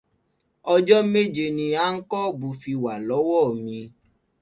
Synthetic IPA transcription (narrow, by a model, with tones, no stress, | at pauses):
ɔ˧d͡ʒɔ˦me˦d͡ʒe˧nĩ˧a˦ŋ̩˦kɔ˦˨bu˧fi˧wa˨lɔ˨˦wɔ˦˨mĩ˧